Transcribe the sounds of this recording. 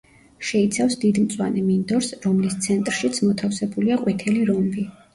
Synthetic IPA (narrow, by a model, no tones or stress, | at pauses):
ʃɛit̪sʰafsd̪id̪mt̪sʼwa̰nɛmind̪ɔɾsɾɔmlist̪sʰɛnt̪ʼɾʃit̪sʰmɔt̪ʰafsɛbuliaqʼwit̪ʰɛliɾɔmbi